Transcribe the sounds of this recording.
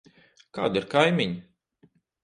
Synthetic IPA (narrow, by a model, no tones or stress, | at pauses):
ka̰ːd̪iɾkajmʲiɲi